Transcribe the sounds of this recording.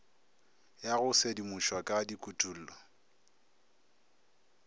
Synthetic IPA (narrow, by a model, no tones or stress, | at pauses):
jaɣʊsedimʊʃwakʼadikʼutʼul̩ːlɔ